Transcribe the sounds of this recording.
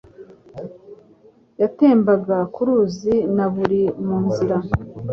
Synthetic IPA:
jate̞ːmbaɡakuɾuːzinaβuɾimuːnziɾa

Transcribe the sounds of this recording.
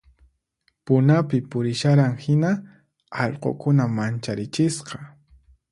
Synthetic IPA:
pʊnapɪpʊɾɪʃaɾaŋhɪna | ɑʎqo̰kʊnamant͡ʃaɾɪt͡ʃɪsqɑ̥

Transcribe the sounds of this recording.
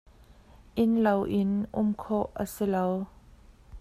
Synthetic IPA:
ʔɪnlowʔɪnʔʊmkʰɔʔːə̰silow

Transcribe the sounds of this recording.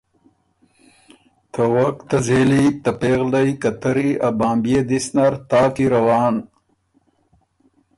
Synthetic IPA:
t̪ɐwɐkt̪ɐzelit̪ɐpeːɣlɐjkɐt̪ɐɾiabaːmbjed̪isnaɾt̪aːkiɾɐwɑːn

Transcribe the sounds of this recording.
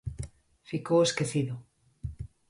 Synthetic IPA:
fikoweskeθiðo

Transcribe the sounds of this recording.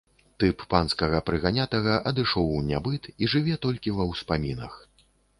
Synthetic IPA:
t̪ɨpːanskɐɣɐpɾɨɣanʲat̪ɐɣɐʔɐd̪ɨʂɔwnʲabɨt̪iʐɨvʲɛt̪ɔlʲkʲivɐwspamʲinɐ̰x

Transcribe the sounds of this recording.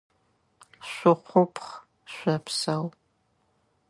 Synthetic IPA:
ɕʷʊqʷʊpʰχ | ʃʷɐpʰsɐw

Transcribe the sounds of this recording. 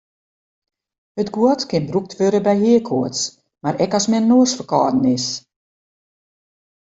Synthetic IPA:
ətɡuətkɪnbruk̚tʋøɾəbɛjhiəkʰoəts | maɾɛkɔsmɛnnoəsfəkɔːdn̩ɪs

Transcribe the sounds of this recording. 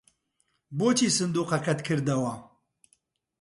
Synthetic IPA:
boːt͡ʃʰiːsɨnd̪uːqɐkʰɐt̪kʰɨɾd̪ɐwɐ

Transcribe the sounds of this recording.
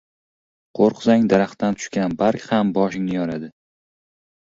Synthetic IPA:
qʰoɾqʰzaŋd̪aɾaχt̪ant̪ʰʊ̥ʃkʲanbaɾkʲhambɒʃɪŋnɪjɒɾad̪ɪ

